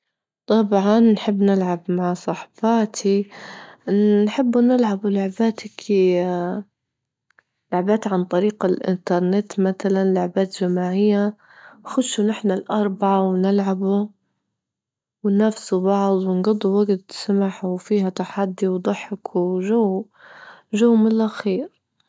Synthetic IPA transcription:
t̪ˤɑbʕɑnːħɪbːnɪlʕabmaʕsˤɑħbɑːt̪ʰi | ħɪbːnɪlʕablʊʕbaːt̪ak | lʊʕbaːt̪ʕant̪ˤɑɾiːqalʔɪ̰nt̪ɑɾˤnɪt̪maθalanlʊʕbaːt̪ʒamaːʕɪjːa | xʊd̪ʃunɪħnalʔɑɾˤbaʕawnɪlʕabu | wɪnafsubɑʕd̪ˤwɪnɡɑd̪ˤːuwaɡt̪samaħwfiːhat̪aħad̪ːiwd̪ˤʊħɪkwʒaw | ʒuwːmɪnlʔaxiːɾ

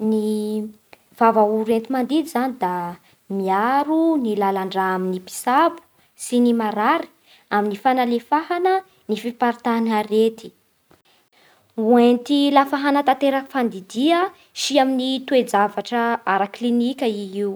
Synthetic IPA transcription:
ni | v̥avauɾent̪imand̪id̪izanid̪a | miaɾunilalaɳɖ͡ʐaaminipi̥sabu̥ | sinimaɾaɾi̥ | aminifanalefaɦanə | nifipaɾt̪anaɾet̪i̥ | uent̪ilafaɦanat̪at̪eɾakfand̪id̪iə | ʃiaminit̪ued͡zavaʈ͡ʂəaɾaklinikʲəiɦiw

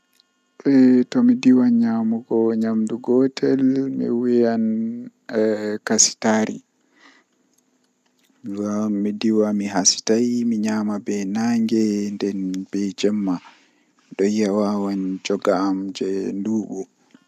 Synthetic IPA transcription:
ɓɛtɔmidiwaɲamuɡɔɲamduɡɔtʰɛlmḭwijan | kasi̥taːɾḭ | ɡamːidiwamiɦasi̥tajmiɲamabɛnaŋɡɛndɛnb̥ɛd͡ʒɛmːa | ɗɔjːawawand͡ʒɔɡaːmd͡ʒɛnduːɓu

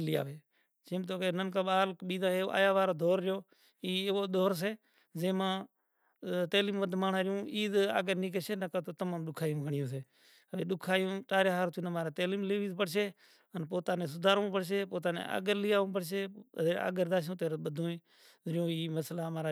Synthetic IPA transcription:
lɪa̰ːʋeː | t͡ʃeːmt̪̬oːkeːnənkaːɓaːlkɓiːd̪ãːɦeːʔa̰ːjaːʋaːɾoːd̪ʱoːɾːɪjoː | iːoːɗ̪ʱoːɾs̬eː | zẽːmãː | t̪eːliːmʋəd̪maːɳãːɾɪjũːiːd̪a̰ːɡəɾniːk̬eːseːnəkət̪oːt̪əmaːmɗʊkʰaːjũːɡəɳɪjõːseː | əeːɗʊkʰaːjũːʈaːɾeːɦaːɾt̪ʰunəmaːɾaːt̪eːliːmleːʋiːzpəɽʃeː | ənp̬oːt̪aːnẽːs̬ʊd̪ʱaːɾõːpəɽʃ̬eːpoːt̪aːnḛːa̰ːɡəɾlɪjaːõːp̬əɽʃeːea̰ːɡəɾd̪aːs̬õːt̪eːɾɓəd̪ʱõːẽː | ɾɪjõːiːməslaːmaːɾaː

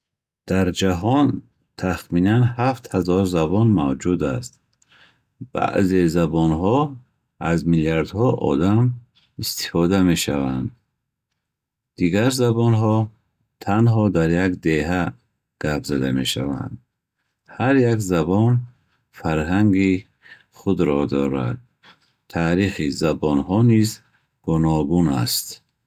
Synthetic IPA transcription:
d̪̥aɾd͡ʒaɦɔn | t̪ʰaχminanhaft̪hazɔɾzabɔnmavd͡ʒud̪ast̪̚ | b̥a̰ʔzezabɔnɦɔ | azmilijaɾd̪hɔʔɔ̰d̪am | ist̪i̥fɔd̪ame̞ʃa̰va̰nd̪ | d̪iɡaɾzabɔnɦɔ | t̪ʰanɦɔd̪aɾjakd̪e̞ɦa | ɡ̥apʰzad̪ame̞ʃa̰va̰nd̪ | haɾjakzabɔn | faɾɦaŋɡi | χud̪ɾɔd̪ɔ̰ɾa̰d̪̚ | t̪ʰaːɾiχizabɔnɦɔniz | ɡ̥unɔɡuna̰st̪

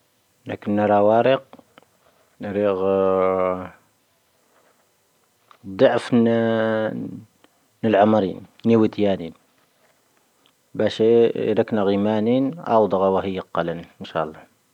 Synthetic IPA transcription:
nækənːɑɾˤɑwɑɾəq̚ | nɾiɣ | d̪ˤɑʕfn | nəlʕamɾḭnniwət̪jænin | bæʃiɾəknæɣimæninʔɑ̰wd̪ˤɑɣɑwæhəjːaqːɑlənənʃɑ̰lˤːɑ

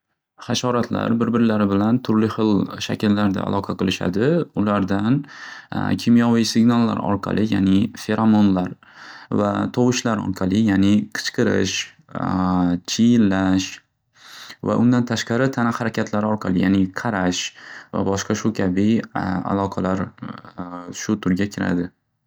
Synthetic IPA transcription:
χaʃɒɾat̪ʰla̰ɾbɪɾbɪɾɪlaɾɪbɪlant̪ʰʊɾlɪχɨlˠʃa̰kʲʰɪlːaɾd̪a̰a̰lˠɒqʰɑqʰɨlˠɪʃa̰d̪ɪʊlaɾd̪an | kʲʰɪmjɒvijsɪɡnalˠːa̰ɾɒ̰ɾqʰɑ̰lˠɪja̰nɪfe̞ɾamonlaɾ | va̰t̪ʰɒwɪʃlaɾɒ̰ɾqʰɑlˠɪjanɪqʰɨ̥t͡ʃqʰɨɾɪ̰ʃ | t͡ʃʰijɪlːaʃ | va̰ʔʊnd̪ant̪ʰaʃqɑɾɪt̪ʰanahaɾakʲʰat̪ʰlaɾɒɾqʰɑlˠɪjanɪqʰɑɾaʃva̰bɒʃqʰɑʃʊkʲʰabɪa̰lˠɒqʰɑlaɾ | ʃʊt̪ʰʊɾɡʲakʲʰɪɾa̰d̪ɪ

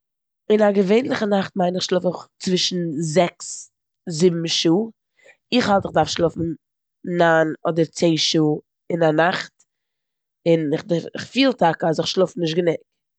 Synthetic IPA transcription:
ɪnaɡəveɪnlˠɪχənaχt̚maɪnɪχʃlˠʊfəχt͡svɪʃn̩zɛks | zɪbm̩ʃuː | ɪχalˠtɪχdaɾfʃlˠʊfn̩ | naːnɔdəɾt͡seɪʃuː | ɪnanaχt | ɪnɪχdɪɾɪχfiːlˠtakazɪχʃlˠʊfn̩nɪʃtɡənʊk

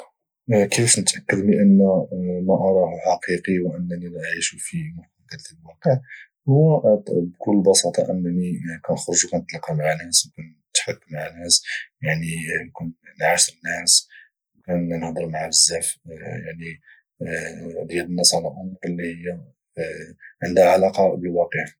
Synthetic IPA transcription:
kifnət̪ʔəkːəd̪liʔənːmæʔɑɾˤɑhħɑqiqiwʔənːænilæʔʕiʃufimʊkkæt̪əbwæqəʕ | hwæbkʊlːbɑsɑt̪ˤɑ̰ʔəmnikænxɾˤʒukænət̪ˤlɑqɑmaʕanæswkæn | t̪ħakːmaʕanæsjaʕninkunnʕaʃəɾənːæs | wkænnəhd̪ˤəɾˤmaʕabəzːæfjaʕni | d̪jælənːəsʕalælʔʊmɾəlːihəjːæ | ʕənd̪haʕalɑqɑbəlwɑqəʕ

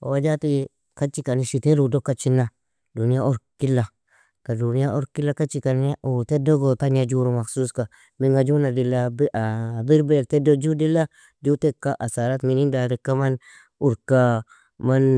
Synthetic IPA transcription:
o̰wad͡ʒati | kat͡ʃikaniʃiteɾudokːat͡ʃinːa | dunijaʔoɾkilːa | kadunijaʔoɾkilːakat͡ʃikaniutedoɡotanad͡ʒuɾumaksuska | miŋɡad͡ʒunadilːabʔabiɾbeltedod͡ʒudilːa | dutekːaʔasaɾatminindaɾikːaman | uɾka | man

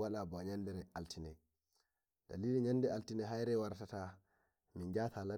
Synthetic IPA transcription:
waɗabɔɲandɛɾɛaltʰinɛj | d̥a̰liːliɲandɛaltinɛɦajɾɛwaɾtata | mind͡ʒaːtʰala

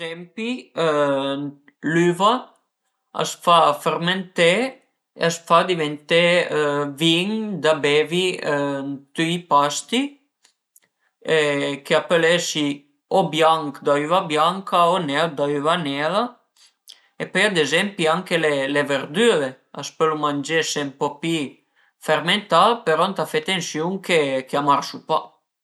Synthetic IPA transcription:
zɛmpi | lyva | a̰sfafeɾment̪e | ḛasfad̪ivent̪e | viŋd̪abevint̪yipast̪i | ekeapelɛʃi | ɔbjaŋkd̪ayvabjaŋkʰaɔnɛld̪ayvanɛla | epɔjad̪ezɛmpiaŋkeleleveɾd̪yɾe | aspølumand͡ʒesempɔpi | fɛɾment̪alpeɾɔnt̪afet̪ensjuŋkekeamaɾsupa

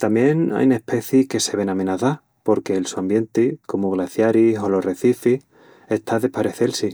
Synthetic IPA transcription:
t̪amje̞na̰jnehpe̞θjike̞se̞βe̞namenaθa | po̞ɾke̞ːlsuambje̞nt̪eko̞muɣlaθjaɾisolo̞re̞θifih | e̞ht̪ʰaðe̞paɾe̞θe̞lsi

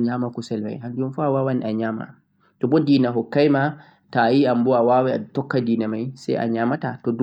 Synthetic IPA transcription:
ɲamakusɛlma̰jɦandunfɔawawaniaɲaːma̰ | tɔbɔdiːnaɦɔkːajma | tajiambɔawawaa̰tɔkːadiːnamajsa̰jʔa̰ɲaːmatatɔd

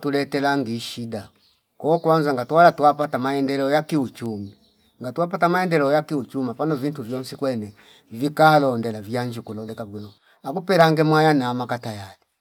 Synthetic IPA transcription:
tulɛtɛlaŋɡiʃida | kɔkwanzaŋɡatuwalatuapatamaɛndɛlɛɔjakiut͡ʃumi | ŋɡatuapatamaɛndɛlɛɔjakiut͡ʃumapanɔvintuvjɔnsikwɛnɛ | vikaːlɔndɛlavjaɲd͡ʒikulɔlɛkabwinɔ | akupɛlaŋɡɛmwajanaːmakatajali

